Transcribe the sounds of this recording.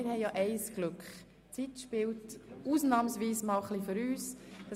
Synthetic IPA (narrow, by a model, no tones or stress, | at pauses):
ɪɾhɛɪjaʔɛɪsɡ̥lʉkχ | t͡sitʃpɪltuːsnɑːmsʋiːsmɑlχliføɾyːsd̥ɑ